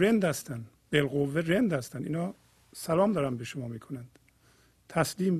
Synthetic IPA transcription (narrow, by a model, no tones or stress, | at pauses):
ɾend̪hæst̪ænd̪ | b̥elɣovːeɾend̪hæst̪ænd̪ḭːnhɒː | sælɒːmd̪ɒːɾænd̪beʃomɒːmiːkʰonænd̪̥ | t̪ʰæsliːm